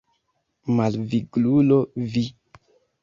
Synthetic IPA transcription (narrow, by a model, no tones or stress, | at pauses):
malviɡlulovi